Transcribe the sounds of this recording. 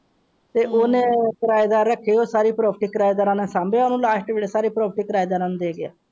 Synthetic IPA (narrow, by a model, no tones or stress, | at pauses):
t̪eːʔoːnẽːkəɾaːjd̪aːɾːəkʰːiːoːsaːɾiːpɾɔːpʰʈiːkəɾaːjd̪aːɾãːnẽːsãːmbeːaːnũːlaːʃʈʋeːɽeːsaːɾiːpɾɔːpʰəʈiːkəɾaːjd̪aːɾãːnũd̪eːɡɪa̰ː